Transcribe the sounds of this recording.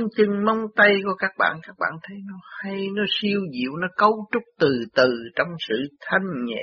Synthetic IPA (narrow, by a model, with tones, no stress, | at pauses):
ŋt͡ɕɨ˨˩ŋmə˧wŋ͡mt̪a˧jku˧˩əkaː˦˥k̚ɓa̰ː˧˨nkaː˦˥k̚ɓa̰ː˧˨nt̪ʰə˨˦jnɔ˨˦ha˧jnɔ˨˦si˧əwzḭ˧˨wnɔ˨˦kə˧wt͡ɕʊ˦˥k͡p̚t̪ɨ˨˩t̪ɨ˨˩t͡ɕɔ˧wŋ͡msɨ̰˧˨t̪ʰa˧jŋ̟ɲɛ̰˧˨